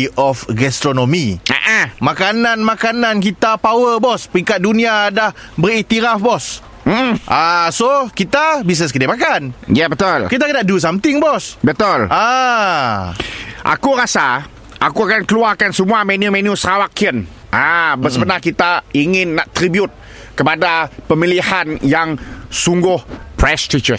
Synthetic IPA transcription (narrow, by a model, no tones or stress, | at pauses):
ʔɔfɡɛst̪ɾonomia̰ʔãmakanãnmakanank̬it̪apawəbɔspəɾiŋkat̪̚dunĩadah | bərit̪iɾafbɔs | m̩m̩ʔasokit̪abis̬nəs̬kədemakanjabət̪ʊlkit̪akədaʔ̚dus̬amt̪ɪŋbɔsbət̪ʊlʔa | ʔa̰kuɾasa | ʔakuakankəluarkansəmuamɛniumɛ̃niusɾawakiən | ʔabəsəbənahkit̪aiŋɪnːaʔt̪ɾibjʊt̪̚ | kəpadapəmilihanjaŋsuŋɡʊhpɾɛst̪it͡ʃə